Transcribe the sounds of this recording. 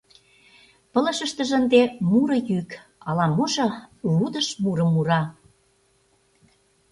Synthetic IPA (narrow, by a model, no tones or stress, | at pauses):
pə̆lə̆ʃə̆ʃt̪ə̆ʒə̆nd̪emuɾɤ̆jykɑlɑmuʒɤ̆βud̪ə̆ʃmuɾə̆muɾɑ